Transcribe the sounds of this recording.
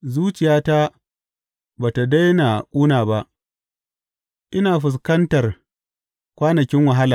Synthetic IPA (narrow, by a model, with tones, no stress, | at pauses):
zuː˦t͡ʃɪ˨jaː˦ta˦ | baː˨ta˨da˦jna˨kʼuː˦naː˨ba˦ʔ | ʔɪ˦naː˨ɸɪ˨s̬kɐ˦ntɐ˨r | kʷaː˦nɐ˨kʲɪ˦ŋwa˨ɦa˦laː˨